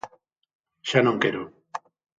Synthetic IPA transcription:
ʃanõŋkeɾo

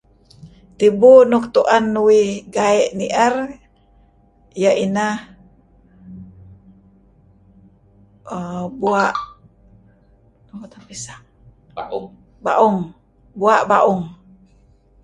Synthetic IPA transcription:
t̪ibunuk̚t̪uʔanːuwiɡaɛʔniʔər | jaʔinah | əbuaʔ | at̪apisaʔ | ba̰ʔuŋ | buaʔbaʔʊŋ

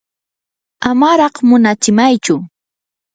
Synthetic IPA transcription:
amaɾɑχmʊnat͡ʃɪmajt͡ʃʊ

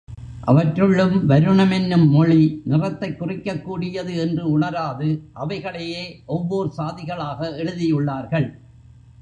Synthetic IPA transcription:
ʔɐ̰ʋɐʈrɯɭːɯmʋɐɾɯɳɐmɛnːɯmːɔɭinɪrɐt̪ːɐɪkːʊrɪkːɐkːuːɽɪjɐðɯɛndrɯʊɳɐɾaːðɯʔɐʋɐɪɣɐɭejeːʔɔʋːoːɾɯsaːðɪɣɐɭaːɣɐɛɻɯðɪjɯɭːaːɾɣɐɭ

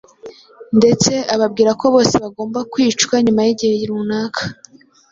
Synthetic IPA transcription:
nde̞t͡se̞ʔaβabɡiːɾako̞βo̞ːseβaɡo̞ːmbakwiːt͡ʃkwaɲumajiɟihe̞jiɾunaːkʰḁ

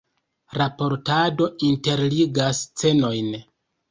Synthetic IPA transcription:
ɾapo̞ɾtado̞inte̞ɾliɡast͡se̞no̞jn

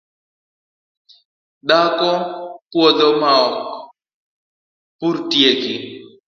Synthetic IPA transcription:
ɗakɔpwɔdɔmaɔk̚ | puɾtjeki

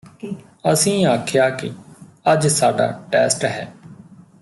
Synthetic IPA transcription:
əsĩːaːkʰjaːkɪ̰əd͡ʒsaːɖa̰ːʈɛːsʈɦɛː

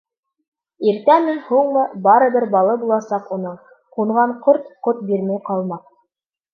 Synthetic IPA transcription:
iɾt̪æmɘnhuɴmɤbɑɾɤ̆bɘɾbɑlˠɤbulˠɑsɑqunɤɴ | quɴʁɑɴqoɾt̪qot̪̚biɾmæjqɑlˠmɑq

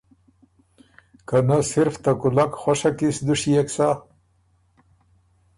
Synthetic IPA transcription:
kanasɪɾft̪akʊlakxwaʂakisd̪uʂijaksa

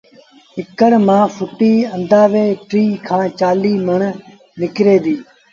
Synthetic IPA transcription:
ɪkəɽmãːfʰʊʈiːə̃nd̪aːʋeːʈɾiːkʰãːt͡ʃaːliːməɳ | nɪkɾeːd̪iː

